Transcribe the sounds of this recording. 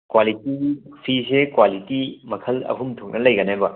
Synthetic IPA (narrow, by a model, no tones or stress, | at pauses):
kwalitipʰisekwalitimɐkʰɐlɐ̰ɦʰumtʰok̚nɐlɐjɡɐnebɐ